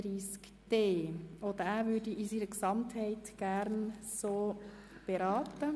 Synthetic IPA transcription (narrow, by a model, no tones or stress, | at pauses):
ɾiːsk | d̥eːɔd̪əɾæːɾʋʏɾdiisiːɾəksɑmthɛɪtɡ̥æɾnsoː | b̥eɾɑːt̪ə